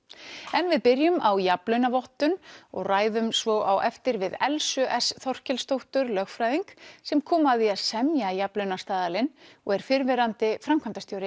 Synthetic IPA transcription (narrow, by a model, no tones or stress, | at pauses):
ɛnvɪðpɪɾjʏmawjaplœɥnavɔht̪ʏnɔ̰ɣraːjðʏmsvɔʔawʔɛft̪ɪɾvɪðɛlsʏʔɛsθɔr̥cɛlst̪owht̪ʏɾlœxfɾajðiŋksɛmkʰɔːmaðiaðsɛmjajaplœɥnast̪aːðalɪnɔɣɛɾ̥fɪɾvɛɾant̪ɪfɾamkʰamnt̪ast̪jowɾɪ